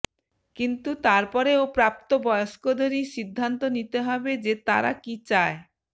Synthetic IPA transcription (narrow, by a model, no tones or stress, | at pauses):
kint̪ut̪aɾpɔɾeopɾap̚t̪obɔjoʃkod̪oɾiʃid̪ʱːant̪onit̪eɦɔbed͡ʑet̪aɾa̰kit͡ɕae